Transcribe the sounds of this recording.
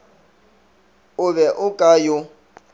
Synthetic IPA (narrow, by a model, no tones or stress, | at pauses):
ʊβɛʔʊkʼajʊ